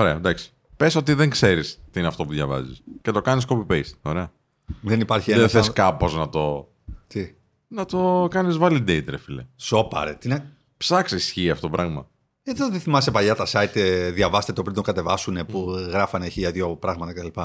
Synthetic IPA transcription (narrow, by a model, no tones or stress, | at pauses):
oɾe̞ɐd̪ɐksi̥ | pesot̪iðeŋkse̞ɾist̪iineɐft̪o̞puðʝɐvɐ̰ziscet̪o̞kɐniskopipejst̪oɾe̞ɐ | ðenipɐɾçieðeθeskɐpo̞znɐt̪o̞ | t̪i | nɐt̪o̞kɐnizvɐlid̪eit̪ɾefileso̞pɐ̰ɾet̪ine | psɐksisçiɐft̪ot̪opɾʔɐɣmɐ | et̪eðeθimɐsepɐʎɐt̪ɐsɐit̪eðʝɐvɐst̪et̪eopɾind̪oŋɡɐt̪e̞vɐsunepuɣɾɐfɐneçiʝɐðʝopɾɐɣmɐt̪ɐket̪ɐlipɐ